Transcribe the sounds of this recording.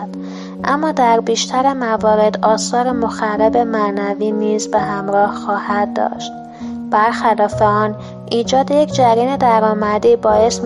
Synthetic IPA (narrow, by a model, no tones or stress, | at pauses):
d̪ | ʔæmːɒːd̪æɾbiːʃt̪ʰæɾemævɒːɾe̞d̪ɒːsɒːɾemo̞xæɾebe̞mæʔnæviːniːzbehæmɾɒːhxɒːhæd̪̚ːɒ̰ːʃt̪̚ | b̥æɾxælɒːfe̞ɒːn | ʔiːd͡ʒɒːd̪ejecʰd͡ʒæɾiːne̞d̪æɾɒːmæd̪iːbɒːje̞st̪m